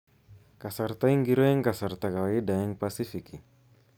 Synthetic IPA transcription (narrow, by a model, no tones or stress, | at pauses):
kasart̪aiŋɡiɾɔɛŋkasart̪akaidaɛŋpasifiki